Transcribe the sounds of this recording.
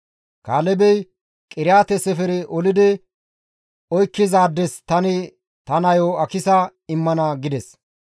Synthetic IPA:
kaːlɛbɛj | kʼɪɾɪjaːt̪ɛsɛfɛɾɛʔɔlɪd̪ɪ | ɔjkːɪzaːd̪ːɛst̪ɐnɪ | t̪ɐnɐjoːɐkɪsɐɪmːɐnɐɡɪd̪ɛs

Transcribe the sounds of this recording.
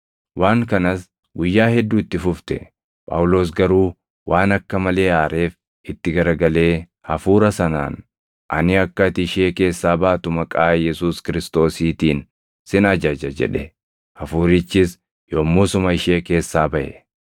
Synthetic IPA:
wʔaːŋkɐnɐs | ɡʊjːaːhɛd̪ːuːɪt̪ːɪfʊft̪ɛ | pʼɐ̰ːwʊlo̞ːs̬ɡɐɾuː | wʔaːnɐkːɐmɐle̞ːaːɾe̞ːf | ʔɪt̪ːɪɡɐɾɐɡɐle̞ː | hɐfuːɾɐsɐna̰ːn | ʔɐ̰nɪɐkːɐt̪ɪɪʃeːke̞ːsːaːbɐːt̪ʊmɐkʼaːjɛsuːskɪɾɪst̪o̞ːsiːt̪iːn | sɪnɐd͡ʒɐd͡ʒɐd͡ʒɛ̰ᶑɛ | hɐfuːɾɪt͡ʃːɪs | joːmːuːsʊmɐɪʃe̞ːke̞ːsːaːbɐʔɛ̰

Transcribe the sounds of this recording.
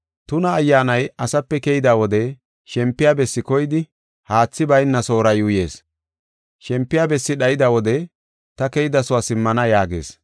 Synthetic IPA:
t̪ʊnɐːjːaːnɐjɐsɐpːɛkɛjɪd̪awɔd̪ɛ | ʃɛmpːɪjaːbɛsːɪkɔjɪd̪ɪ | haːt͡sːɪbɐjnːɐso̞ːɾɐjʊje̞ːs | ʃɛmpːɪjaːbɛsːɪɗɐjɪd̪ɐwɔd̪ɛ | t̪ɐkɛjɪd̪ɐsʊaːsɪmːɐnɐjaːɡḛːs

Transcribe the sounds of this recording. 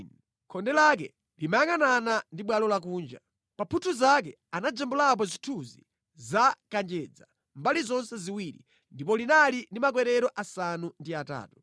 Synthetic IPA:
kʰɔndɛlak̬ɛ̰ | limajaŋananandiɓwalɔlak̬uːnd͡ʒa̰ | papʰutʰuzak̬ɛ | anad͡ʒɛmbulap̬ɔzitʰuzḭ | zakand͡ʒɛd͡za | mbalizɔnsɛziwiɾḭ | ndipɔlinalindimak̬wɛɾɛɾɔʔasanundiata̰ːtu̥

